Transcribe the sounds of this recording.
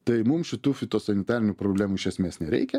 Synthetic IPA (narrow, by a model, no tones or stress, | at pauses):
t̪ɐɪmʊmʃʲɪt̪uːfʲɪt̪oːsɐnʲɪt̪ɑːɾʲɪnʲupɾoːblʲæːmuːɪʃʲɛsʲmʲeːsnʲɛɾʲɛ̰ɪkʲɛ